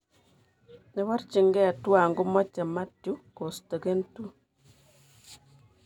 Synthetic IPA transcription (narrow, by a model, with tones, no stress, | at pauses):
nɛ˨˦βa˦rt͡ʃi˨ŋɡɛ˦˨twa˨ŋɡu˦mɔ˦t͡ʃɛ˨ma˦tju˦ko˨sto˨ke˦ntu˦